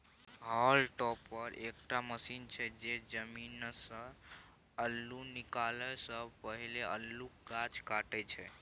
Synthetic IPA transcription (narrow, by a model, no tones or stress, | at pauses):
ɦalʈɔpːəɾekʈaməsint͡ʃʰɛd͡ʒed͡ʒəminsə | əlːunikaləsəbʱpəɦileəlːuɡat͡ʃkaʈɛt͡ʃʰɛ